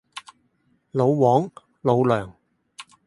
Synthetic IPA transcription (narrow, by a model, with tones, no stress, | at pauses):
lo˨˧wwɔː˨˥ŋ | lo˨˧wlœː˨˩ŋ